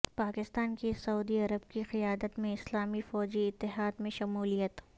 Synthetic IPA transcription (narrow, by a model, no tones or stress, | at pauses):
paːkɪst̪aːnkisɐuːd̪iɐɾəb̚kixɪjaːd̪ət̪mẽɪslaːmifɔːd͡ʒiɪt̪ːɪɦaːd̪mẽʃɐmuːlijət̪